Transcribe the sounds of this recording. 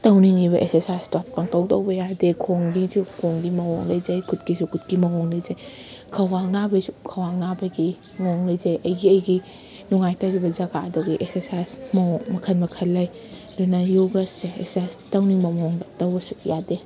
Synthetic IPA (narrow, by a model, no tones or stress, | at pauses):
tɐwniŋiβɐʔeksesajstɔt̚pɔŋtɐwdɐwbɐjadekʰoŋɡisukʰoŋɡimɐwɔŋlɐjzɐjkʰutkisukʰut̚kimɐŋɔŋlɐjzɐj | kʰɐwaŋnabɐsukʰɐwaŋnabɐɡi | mɔŋlɐjzɐjɐjɡiɐjɡi | nuŋajtɐwɾibɐzɐɡadɔɡiʔeksesajsmɐɔŋmɐkʰɐnmɐkʰɐlːɐj | dunajoɡɐseḛsajstɐwniŋmɐmɔŋdatɐwbɐsu̥jade